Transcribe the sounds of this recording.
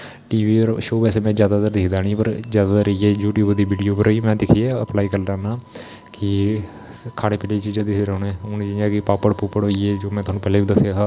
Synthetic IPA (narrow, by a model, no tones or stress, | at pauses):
ʈiːʋiːɾʃoːbɛːseːmɛ̃ːzjaːd̪aːd̪əɾd̪ɪːkʰd̪aːɳ̃iːpəɾzjaːd̪aːt̪əɾəiːɛːjuːʈjuːbd̪iːʋiːɖijoːpəɾoiːmɛ̃ːd̪ɪkʰieːəplaːiːkəɾdaːnaː | kɪ | kʰaːɽeːpɛːleit͡ʃiːd͡ʒaːd̪ieːɾɛːneːʊnd͡ʒiaːkɪpaːpəɽpʊpəɽoːiɛːd͡ʒoːmɛ̃ːt̪ʊaːnũːpɛːleːbiːd̪əsjaːɦaː